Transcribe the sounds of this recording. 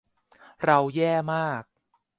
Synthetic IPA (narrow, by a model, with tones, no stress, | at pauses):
ɾa˧wjɛː˥˩maː˥˩k̚